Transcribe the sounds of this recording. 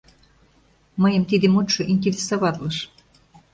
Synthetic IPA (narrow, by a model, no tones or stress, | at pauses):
mɤjə̆mt̪id̪emut̪ʃŏʔint̪ʲilʲesɑβɑt̪lɤʃ